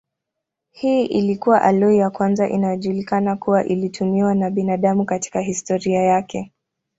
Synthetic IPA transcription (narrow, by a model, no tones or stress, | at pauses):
hiːʔilikuwaʔalɔijakwanzaʔinajɔʄulikanakuwaʔilitʰumiwanaɓinaɗamukati̥kaɦistɔɾiajakʰɛ